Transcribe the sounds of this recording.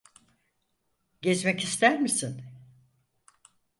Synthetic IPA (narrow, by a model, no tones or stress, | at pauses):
ɟɛzmɛcist̪ʰæɾmisin